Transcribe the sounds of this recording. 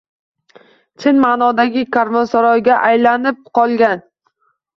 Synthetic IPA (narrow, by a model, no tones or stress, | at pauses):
t͡ʃʰɪnmaːnɒd̪aɡʲɪkʰaɾmonsaɾɒjɡʲaʔajlanɪp̚qʰɒlˠɡʲan